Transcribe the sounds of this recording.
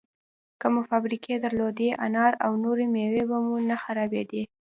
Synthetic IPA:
kəmefabɾikʰed̪aɾlod̪eʔa̰nɑɾawnoɾemewebamunaxaɾɑbed̪e

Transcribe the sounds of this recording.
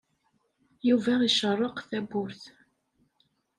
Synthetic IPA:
juvæiʃərˤːɑqθæbʊɾθ

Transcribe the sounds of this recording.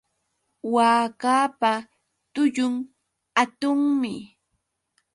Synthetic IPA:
waːkaːpa | t̪ʊʎʊŋ | at̪ʊŋmɪ

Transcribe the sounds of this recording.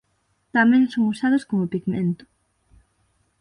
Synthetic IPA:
t̪amẽŋsoŋusað̞oskomopiɣmḛ̃nt̪ʊ̥

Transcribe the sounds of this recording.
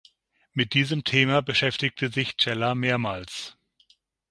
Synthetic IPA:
mɪt̚d̥iːzəmtʰeːmabəʃɛftɪk̚tʰəzɪçt͡ʃɛlameːɐmaːls

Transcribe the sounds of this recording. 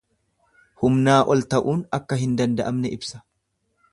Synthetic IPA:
hʊmnaːʔɔlt̪ɐʔuːnɐkːɐɦɪnd̪ɐnd̪ɐʔɐmnɛʔɪbsɐ̥

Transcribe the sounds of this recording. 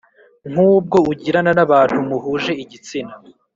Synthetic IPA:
ŋ̥uːb̚ɡo̞uɟiɾananaβaːn̥humuɦuːʒe̞iɟit͡sina

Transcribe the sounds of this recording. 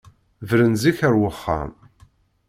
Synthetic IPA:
vɾənziçəɾwəχːa̰m

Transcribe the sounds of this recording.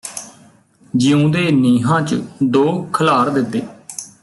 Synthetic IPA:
d͡ʒɪũːd̪eːniːɦãːt͡ʃəd̪oːkʰəlaːɾd̪ɪt̪ːeː

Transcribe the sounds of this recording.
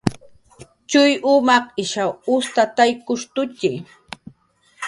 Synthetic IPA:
t͡ʃʊjʔʊmɑχɪʃawʊst̪at̪ajkʊʃt̪ʊt̪ɪ

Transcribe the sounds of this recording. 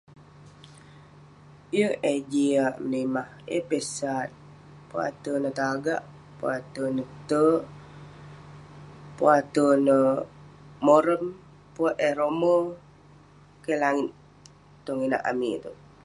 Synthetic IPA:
jəed͡ʒiaʔmənəmah | ḛpesat̪̚ | pua̰t̪ənət̪aɡa̰ʔ | puat̪ənət̪ə | puat̪ənə | moɾəm | puaʔeɾomə | kelaŋɪt̪ | t̪oŋina̰ʔa̰mḭt̪u

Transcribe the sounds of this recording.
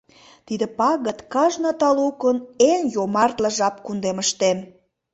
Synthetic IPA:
t̪id̪ə̆pɑɣət̪kɑʒnot̪ɑlukənenjomɑrt̪ləʒɑpkund̪eməʃt̪em

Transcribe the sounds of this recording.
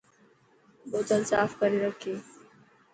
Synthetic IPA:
boːt̪əlsaːfkəɾiɾəkʰiː

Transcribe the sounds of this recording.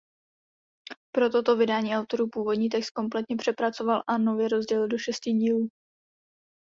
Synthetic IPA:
pɾo̞t̪o̞t̪o̞vɪdaːɲiːʔawt̪o̞ɾuːpuːvo̞dɲiːt̪̬ɛkst̪̚ko̞mp̬lɛt̪ɲɛpr̥ɛpɾat͡so̞valʔano̞vjɛɾo̞zɟɛlɪldo̞ʃɛsciːɟiːluː

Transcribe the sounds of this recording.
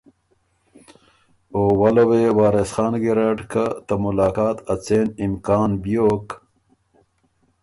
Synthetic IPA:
owɐlɐweːwaːɾesxaːnɡiɾaːʈkat̪ɐmulaːkaːt̪ɐt͡seːnimkaːnbjoːk

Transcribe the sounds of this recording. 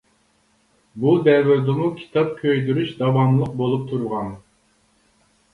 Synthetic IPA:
bud̪ɛvyɾd̪umukʲʰi̥t̪ʰɑp̚kʲʰøjd̪yɾyʃd̪ɑvɑmlˠəq̚bolˠup̚t̪ʰuɾʁɑn

